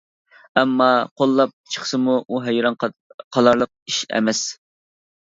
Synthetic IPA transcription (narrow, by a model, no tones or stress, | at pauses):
ɛmːɑqʰolˠːɑp̚t͡ʃʰə̥χsɨmuʔuɦɛjɾɑnqʰɑlˠɑɾlˠəq̚iʃɛ̰mɛs